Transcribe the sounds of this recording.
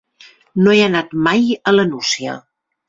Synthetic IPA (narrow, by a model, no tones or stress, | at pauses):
noeənat̪majələnusiə̰